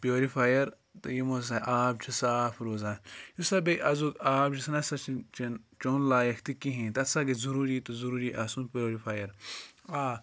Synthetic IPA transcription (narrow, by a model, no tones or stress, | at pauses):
pjoːɾifʰaːjɐɾ | t̪ɨjimos̬aʔaːbt͡ʃʰisaːfʰɾoːzãːnjusɐbeʔɐzukaːbd͡ʒisnɐsɐt͡ʃʰit͡ʃʰint͡ʃoːnlaːjɐkʰt̪ikiɦĩt̪ɐt̪saɡezuɾuːɾit̪uzuɾuːɾiʔaːsũnpoːɾifaːjɐɾaː